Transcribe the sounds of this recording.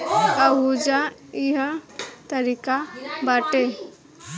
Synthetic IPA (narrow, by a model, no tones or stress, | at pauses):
ɐɦud͡ʒaiɦãt̪ɐɾikabaːʈe